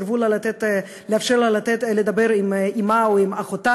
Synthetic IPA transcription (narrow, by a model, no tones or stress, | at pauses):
ɾvulalat̪et̪ | leafʃeɾlalat̪et̪led̪abeɾimimaoimaχot̪a